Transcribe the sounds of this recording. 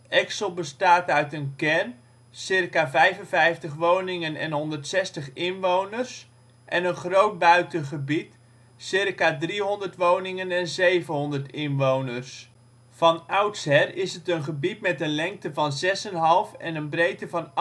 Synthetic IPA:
ɛksəlˠbəstaːtœɥtənkɛrn | sɪrkaːvɛjvənvɛjftəχʋownɪŋənɛ̰nɦɔndərtsɛstəχɪnʋownərs | ʔɛnənχrowt̚bœɥtəχəbit | sɪrkaːdriɦɔndəɹtʋownɪŋənɛnzejvənɦɔndərtɪnʋownərs | fɑnʌwtsɦɛrɪsətənχəbitmɛtənlɛŋk̚təvɑnzɛsənɦɑlˠfɛnənbrejtəvɑn

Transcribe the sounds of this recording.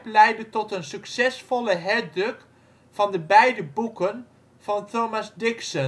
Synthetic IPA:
plɛjdətɔtənsyksɛsfɔləɦɛdrɵk | fɑndəbɛjdəbukən | fɑntoːmasdɪksə

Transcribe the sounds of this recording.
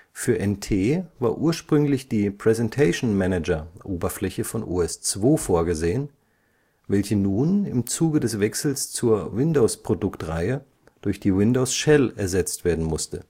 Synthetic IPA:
fyːɐʔɛntʰeːvaːɐʔuːɐʃpʁ̥ʏŋlɪçd̥iːpʁ̥ɛzɛntʰaɪʃnmɛnɛd͡ʒɐʔoːbɐflɛçəfɔnʔṵːɛst͡sv̥oːfoːɐɡəzeːən | vɛlçənuːnɪmt͡suːɡədɛsv̥ɛksl̩st͡suːɐvɪndoʊspʁ̥odʊktʁa̰ɪə | d̥ʊɐçd̥iːwɪndoʊsʃɛlɛɐzɛt͡stv̥eːɐdn̩mʊstə̰

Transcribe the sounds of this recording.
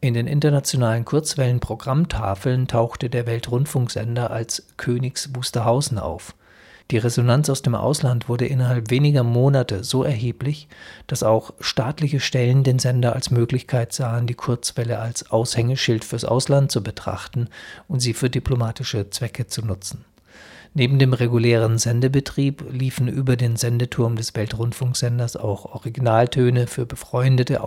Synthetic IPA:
ʔɪndeːnʔɪ̰ntɐnat͡sjonaːlənkʰʊɐt͡sv̥ɛlənpʁ̥oɡʁamtʰaːfl̩ntʰaʊxtədeːɐvɛltʁʊntfʊŋkz̥ɛ̰ndɐʔalskʰøːnɪçsv̥uːstɐɦaʊzn̩ʔa̰ʊf | d̥iːʁezonant͡saʊsd̥eːmʔa̰ʊslantv̥ʊɐdəʔɪnɐɦalpv̥eːnɪɡɐmoːnatəzoːʔɛɐɦeːplɪçd̥asaʊxʃtaːtlɪçəʃtɛləndeːnzɛndɐa̰lsmøːklɪçkʰaɪtz̥aːəndiːkʰʊɐt͡sv̥ɛləʔalsʔaʊshɛŋəʃɪltfyːɐsʔa̰ʊslant̚t͡subətʁ̥a̰χtn̩ʔʊntz̥iːfyːɐdipʰlomaːtɪʃət͡sv̥ɛkət͡sunʊt͡sn̩ | neːbm̩deːmʁeɡulɛːʁ̞ənzɛndəbətʁ̥iːpliːfn̩ʔyːbɐdeːnzɛndətʰʊɐmdɛsv̥ɛltʁʊntfʊŋkz̥ɛndɐsa̰ʊxʔɔʁiɡinaːltʰøːnəfyːɐbəfʁ̥ɔʏndətə

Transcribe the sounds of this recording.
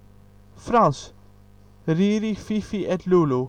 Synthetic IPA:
fɾɑns | ɾiːɾififiʔɛt̪lulu

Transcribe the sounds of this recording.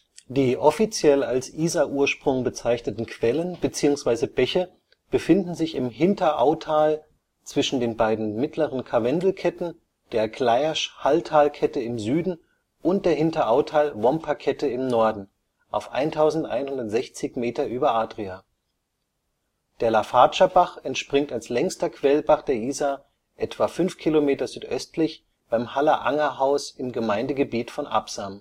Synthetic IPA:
d̥iːʔɔfit͡sjɛlalsʔiːzaʔuːɐʃpʁ̥ʊŋbət͡saɪçnətn̩kʰv̥ɛlənbət͡siːʊŋsv̥aɪzəbɛçə | b̥əfɪndn̩zɪçɪmɦɪntɐʔaʊtʰaːl | t͡sv̥ɪʃn̩deːnbaɪdn̩mɪtʰləʁənkʰavɛndl̩kʰɛtn̩ | d̥eːɐklaɪaʃhaltʰaːlkʰɛtəɪmzyːdn̩ | ʔʊnt̚d̥eːɐɦɪntɐʔaʊtʰaːlvɔmpʰakʰɛtəɪmnɔɐdn̩ | ʔaʊfʔa̰ɪntʰaʊzn̩tʔa̰ɪnhʊndɐtz̥ɛçt͡sɪçmeːtɐʔyːbɐʔaːdʁiaː | d̥eːɐlafaːt͡ʃabaχɛntʃpʁ̥ɪŋtalslɛŋstɐkʰv̥ɛlbaχd̥eːɐʔiːzaː | ʔɛtv̥afʏnfkʰilomeːtɐzyːtʔœstlɪç | b̥aɪmhalɐʔa̰ŋɐɦaʊsɪmɡəmaɪndəɡəbiːtfɔnʔa̰psam

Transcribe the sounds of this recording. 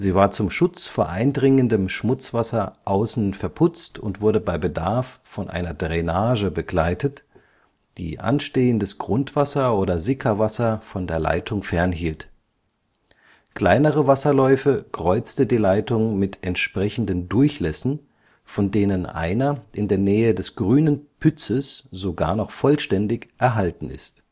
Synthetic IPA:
z̥iːvaːɐt͡sʊmʃʊt͡sfoːɐʔaɪndʁɪŋəndəmʃmʊt͡sv̥asɐʔaʊsn̩fɛɐpʰʊt͡stʊntv̥ʊɐdəbaɪbədaɐfːɔnʔa̰ɪnɐdʁenaːʒəbəɡlaɪtət | d̥ḭːʔa̰nʃteːəndəsɡ̥ʁʊntv̥asɐʔoːɾɐzɪkʰɐvasɐfɔndeːɐla̰ɪtʰʊŋfɛɐnɦiːlt | kl̥aɪnəʁəvasɐlɔʏfəkʁ̥ɔʏt͡stədiːlaɪtʊŋmɪtʰɛntʃpʁ̥ɛçn̩dəndʊɐçlɛsn̩ | fɔndeːnənʔa̰ɪnɐʔɪndeːɐnɛːədɛsɡ̥ʁyːnənpʰʏt͡səsz̥oɡa̰ːɐnɔχfɔlʃtɛndɪçʔɛɐɦaltn̩ɪ̰st

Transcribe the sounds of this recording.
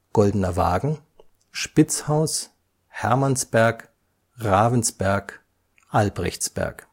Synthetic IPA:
ɡ̥ɔldənɐva̰ːɡŋ̩ | ʃpɪt͡shaʊs | hɛɐmansb̥ɛɐk | ʁaːvənsb̥ɛɐk | ʔalbʁɛ̰çt͡sb̥ɛ̰ɐ̰k

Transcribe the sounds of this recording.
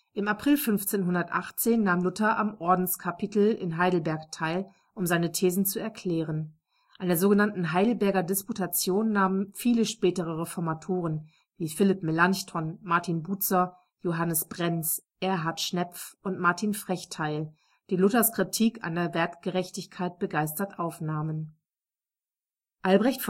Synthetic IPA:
ʔɪmapʁ̥ɪlfʏnft͡seːnɦʊndɐtʔaχt͡seːnːaːmlʊtɐʔamʔɔɐdn̩skʰapʰitl̩ɪ̰nɦaɪdl̩bɛɐktʰaɪl | ʔʊmzaɪnətʰeːzn̩t͡suɛɐkʰl̥ɛːʁən | ʔandeɐzoːɡənantn̩ɦaɪdl̩bɛɐɡɐdɪsputʰat͡sjoːnːaːmənfiːləʃpɛːtəʁ̞əʁefɔɐmatʰoːʁ̞ən | viːfɪlɪp̚melançtʰɔnmaɐtʰinbuːt͡sɐ | joɦanəsb̥ʁɛnt͡sʔɛɐɦaɐtʃnɛpp͡fʊntmaɐtʰiːnfʁ̥ɛçtʰaɪl | d̥iːlʊtɐskʁ̥itʰiːkʰa̰ndeɐvɛɐtɡ̥əʁɛçtɪçkʰaɪt̚b̥əɡaɪstɐtʔaʊfnaːmən | ʔalbʁɛçtf

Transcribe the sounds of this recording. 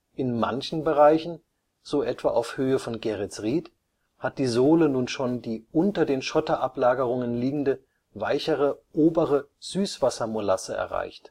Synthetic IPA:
ʔɪnma̰nçn̩bəʁaɪçn̩ | z̥oːʔɛtv̥a̰ːʔaʊfhøːəfɔnɡeʁɛsʁiːt | hat̚d̥iːzoːlənuːnʃoːndiːʔʊntɐdeːnʃɔtɐʔaplaːɡəʁʊŋənliːɡŋ̩də | vaɪçəʁəʔoːbəʁəz̥yːsv̥asɐmolasəɛ̰ɐʁa̰ɪçt

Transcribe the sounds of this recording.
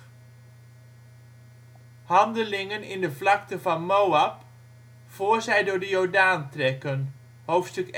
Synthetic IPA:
hɑndəlɪŋənɪ̰ndəvlɑk̚təvɑnmowap | foːrzɛjdʊːɹdəjɔɹdaːntrɛkən | howftstɵk

